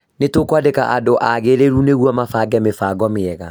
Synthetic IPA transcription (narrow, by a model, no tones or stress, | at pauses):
netokwadeka̰ʔadoʔaɣeɾeɾuneɣwɔmafaːɡɛmefaːɡɔmeɛɣa